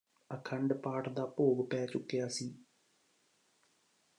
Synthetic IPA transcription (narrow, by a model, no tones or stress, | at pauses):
ɐkʰɐɳɖɨpaːʈd̪apoːɣɨpaːt͡ɕukːjaːsi